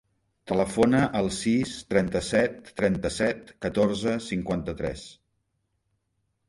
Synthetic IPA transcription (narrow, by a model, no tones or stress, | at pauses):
t̪ələfonəʔəlˠsist̪ɾɛnt̪əsɛt̪ːɾɛnt̪əsɛt̪kət̪orzəsiŋkwant̪ət̪ɾɛ̰s